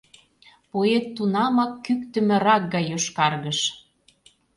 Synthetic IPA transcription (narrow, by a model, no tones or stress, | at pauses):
poet̪ːunɑmɑkːykt̪ə̆mɘ̆ɾɑk̚ɡɑjoʃkɑrɣə̆ʃ